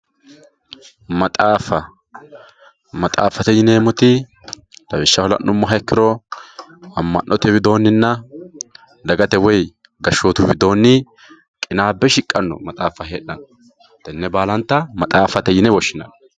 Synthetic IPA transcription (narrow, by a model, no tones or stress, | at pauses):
mɐt̪ʼaːfɐ | mɐt̪ʼa̰ːfɐt̪ɛjɪneːmɔt̪ɪ | d̪̥ɐbɪʃːɐhɔlɐ̰nʔʊmːɔɦɐkːɪɾɔ | ɐmːɐnːʔɔt̪ɛwɪd̪o̞ːnːɪnːɐ | d̪ɐɡɐt̪ɛwɔj | ɡɐʃːoːt̪ʊwɪd̪o̞ːnːɪ | kʼɪnaːbːɛʃɪkʼːɐnːɔ̰mɐt̪ʼaːfɐɦeːɗɐn | t̪ɛnːɛbaːlɐnt̪ːɐmɐt̪ʼaːfɐt̪ɛjɪnɛwɔʃːɪnɐn